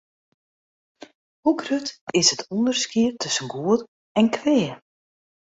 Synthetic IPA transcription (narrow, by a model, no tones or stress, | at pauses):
huɡrøtɪsətʰɔndərskiətʰɵsənɡuəd | ɛnkʰʋɛː